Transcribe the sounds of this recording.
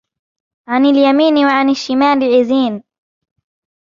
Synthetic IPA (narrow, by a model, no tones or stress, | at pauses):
ʕanɪljamiːnwaʕanɪʃːɪmaːlɪʕɪziːn